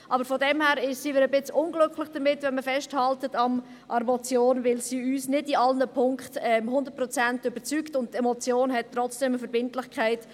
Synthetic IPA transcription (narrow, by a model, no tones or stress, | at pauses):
ʔɑbəɾfɔdɛmhæːɾɪʃsiːʋɪɾəbɪt͡sʊnɡlʏkʰlɪχd̥əmɪtvɛnməfɛʃthɑltətɑm | ʔɑɾmɔt͡sjoːnvɪlsiːyːsnɪdiɑlnəpʰʊŋkχtɛmɦʊndət̚pɾɔt͡sæntʏbəɾt͡syktʊnttɛmot͡sjoːnɦɛt̚tːɾɔt͡sd̥ɛməfəɾbɪntlɪχkʰχaɪt